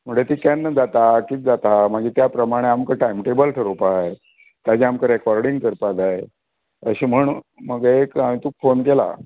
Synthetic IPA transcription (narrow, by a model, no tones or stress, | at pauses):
m̤əɳd͡zet̪iːkanːəd͡zat̪akit͡sd͡zat̪amaɡiːt̪japɾəmaɽ̃eamkəʈajmʈebəlʈʰəɾopae | t̪jad͡ʑiamkəɾɛkɔɾɖiŋɡkəɾpad͡zae | əɕiːm̤əɳ | məɡekamiːt̪uːkfonkela̰